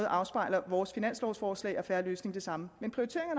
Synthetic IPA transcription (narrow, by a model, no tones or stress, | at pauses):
ð̩ˠʔɑ̈ʊsb̥ɑ̈ɪ̰lɐʋɒːsfinæn̰slɒʊsfɒːslɛ̰ɪʔɒ̽fæɐløːsne̝ŋd̥e̝sɑ̈məmenpʰʁ̥ioit͡sʰe̝ɐ̰eŋɐn